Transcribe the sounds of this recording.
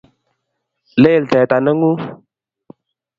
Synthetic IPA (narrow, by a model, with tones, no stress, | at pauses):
le˦jlte˨ta˨nə˦ŋu˦